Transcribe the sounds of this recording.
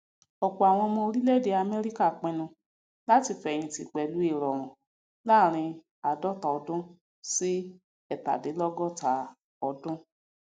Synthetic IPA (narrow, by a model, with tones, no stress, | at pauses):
ɔ˨ku˨a˨w̃ɔ̃˧mɔ̃˧o˧ɾi˦le˦˨de˧a˧mɛ˦ɾi˦ka˦˨k͡pɛ̃˧nũ˧ | la˦ti˧fɛ̃˧˨ĩ˧ti˧k͡pɛ˨lu˨˦e˦˨ɾɔ˨ɾ̃ɔ̃˨ | laː˦˨ɾ̃ĩ˧ | a˨dɔ˦˨ta˨ɔ˧dʊ̃˦ | si˦ | ɛ˦˨ta̰˨de˨˦lɔ˦ɡɔ˦˨ta˨˦ | ɔ˧dʊ̃˦